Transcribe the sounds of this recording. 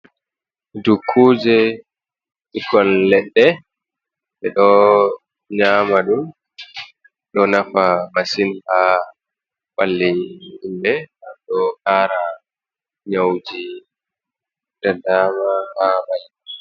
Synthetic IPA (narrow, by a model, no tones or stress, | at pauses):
dukʰːud͡ʒɛ | ʔikːɔnlɛɗːɛ | ɓɛɗɔ | ɲaːmaɗum | ɗɔnafamasinha | ɓalːiindɛaɗɔhaːɾa | ɲawd͡ʒi | d̥adamahamaj